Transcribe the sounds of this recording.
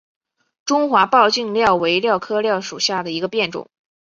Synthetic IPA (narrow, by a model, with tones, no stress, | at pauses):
ʈ͡ʂʊ˥ŋxwa˧˥pɑ˥˧ʊt͡ɕi˥˧ŋljɑ˥˩ʊwe˧˥ɪljɑ˥˩ʊkʰɤ˥ljɑ˥˩ʊʂu˨˩ɕja˥˩d̪ə˩i˧˥ɡə˧pjɛ˥˩nʈ͡ʂʊ̰˨˩˦ŋ